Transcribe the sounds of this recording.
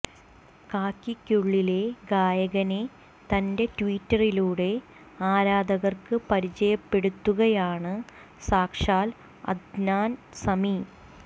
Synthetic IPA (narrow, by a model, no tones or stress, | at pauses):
kaːkːikʲːuɭːile̞ɡaːjɐɣɐne̞ | t̪ɐnde̞tʋiːtːɐriluːɽe̞ | aːɾaːd̪ɐɣɐrkɨpɐɾit͡ɕɐjɐpːe̞ɽut̪ːuɣɐjaːɳɨ | saːkʂaːl | ɐ̰d̪naːnsɐmi